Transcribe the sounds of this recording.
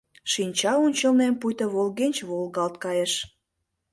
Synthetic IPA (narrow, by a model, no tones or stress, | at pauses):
ʃinʲt͡ɕɑunʲt͡ɕə̆lnempujt̪əβolɣenʲt͡ɕβolɣɑlt̪̚kɑjeʃ